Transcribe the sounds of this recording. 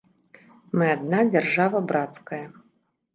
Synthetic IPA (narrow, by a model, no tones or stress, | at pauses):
mɨad̪nad͡zʲarʐavɐbɾat̪skɐjɐ